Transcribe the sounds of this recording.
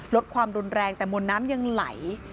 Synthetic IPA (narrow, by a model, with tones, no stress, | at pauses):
lo˦˥t̪̚kʰwaː˧mɾu˧nɾɛː˧ŋt̪ɛː˨˩mo˧nːaː˦˥mja˧ŋla̰˨˩˦j